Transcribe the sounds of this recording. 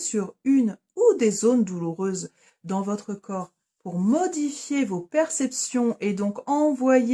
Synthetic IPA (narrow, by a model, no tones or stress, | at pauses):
syʁyn | ud̪ezond̪uluʁøz | d̪ɑ̃vɔt̪χəkʰɔːʁ | puʁmɔd̪ifjevopɛʁsɛpsjɔ̃ʔed̪ɔ̃kɑ̃vwaj